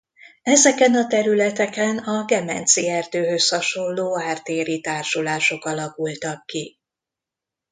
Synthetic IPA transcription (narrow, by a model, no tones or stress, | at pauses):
ɛzɛkɛnɒt̪ɛɾylɛt̪ɛkɛnɒɡɛmɛ̰nt̪siɛrd̪øːɦø̞shɒʃo̞llːoːaːrt̪eːɾit̪aːrʃulaːʃo̞kɒlɒkult̪ɒkːi